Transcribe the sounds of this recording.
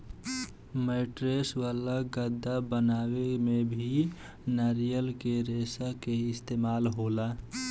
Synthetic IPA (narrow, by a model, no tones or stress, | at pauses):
məɪʈɾesʋalaɡəd̪ːabənawemebʱi | naɾijəlkeɾesakeɪst̪emaːlɦola